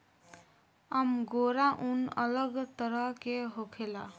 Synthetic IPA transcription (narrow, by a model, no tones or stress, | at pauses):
amɡoɾaʔunʌ̰lʌɡt̪ʌɾʌkeɦokʰela